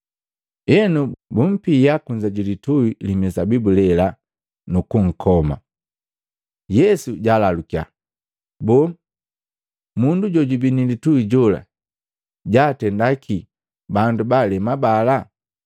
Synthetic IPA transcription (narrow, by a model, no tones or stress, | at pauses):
jɛnubum̩pijakuɲd͡ʒaɟilituilimɛsabibulɛla | nukuŋ̩kʰɔma̰ | jɛsuɟaːlalukia̰ | bɔː | munduɟɔɟubinilituiɟɔla̰ | ɟaːtɛndakʰi | bandubalɛmabala